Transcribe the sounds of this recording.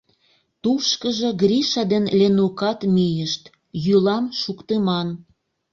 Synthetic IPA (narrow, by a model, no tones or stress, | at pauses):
t̪uʃkəʒĕɡɾiʃɑd̪enlenukɑt̪mijəʃt̪ | jylɑmʃukt̪emɑn